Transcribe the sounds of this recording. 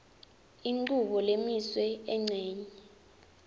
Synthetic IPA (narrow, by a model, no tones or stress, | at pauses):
iŋ͡ǃuɓɔlemiswɛɛŋ͡ǀʱɛːɲɛ